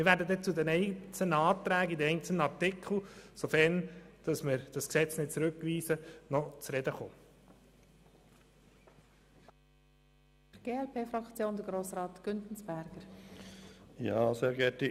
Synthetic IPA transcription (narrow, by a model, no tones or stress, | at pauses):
mɪɾvʋæːɾdəd̪ɛt͡sud̪ɛnɛɪt͡sənəɑːt̪ɾæːɡid̪ɛɛɪnt͡səl̩nəɑɾtɪkʰl̩ˠsofɛɾnd̥ɑsmɪɾd̥ɑsksɛt͡snɪd̚t͡sɾʉkʋiːsənɔt͡sɾɛd̪əχo̰ː | ɛɡ̥eːɛlpʰeːfɾɑkt͡sjoːnd̪əɡɾoːsɾɑːt̪ɡ̥ʏntn̩sb̥æɾɡ̥əɾ | jɑ̰ːseːɾɡɛtɪ